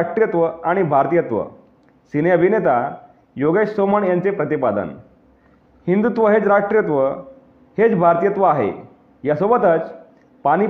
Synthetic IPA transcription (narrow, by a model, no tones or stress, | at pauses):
ʈɾjət̪ʋəaɽ̃ibʱaɾt̪ijət̪ʋə̰ | sineəbʱinet̪a | joɡessoməɳjãnt͡sepɾət̪ipad̪ə̰n | hind̪ut̪ʋəɦet͡sɾaʂʈɾijət̪ʋə | het͡sbʱaɾt̪ijət̪ʋəaɦḛ | jasobət̪ət͡s | paɽ̃i